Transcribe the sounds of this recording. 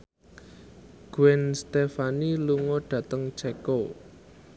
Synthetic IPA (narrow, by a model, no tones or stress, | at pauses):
ɡ̥uwɛnst̪efaniluŋɔɖ̥ä̤t̪əŋt͡ʃɛko